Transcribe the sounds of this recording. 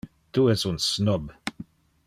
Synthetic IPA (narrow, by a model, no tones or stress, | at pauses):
t̪uɛsunsnɔb